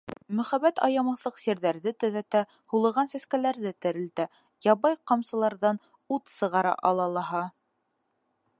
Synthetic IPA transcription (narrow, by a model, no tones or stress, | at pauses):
mɵ̆χæbæt̪ɑ̰jɑmɑθlˠɤqsiɾðæɾðɘt̪ɵ̆ðæt̪æ | hulˠɤ̆ʁɑnsæskælæɾðɘt̪ɘ̆ɾɘ̆lt̪æ | jɑβɑjqɑmsɤ̆lˠɑɾðɑn | ut̪sɤ̆ʁɑɾɑ̰ʔɑlˠɑlˠɑɦɑ